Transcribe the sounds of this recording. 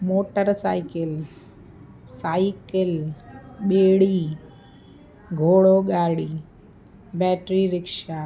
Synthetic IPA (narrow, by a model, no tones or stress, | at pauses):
moːʈəɾsaːɪkɪl | saːɪkɪl | ɓeːɽiː | ɡʱoːɽoːɠaːɽiː | bɛːʈɾiːɾɪkʃaː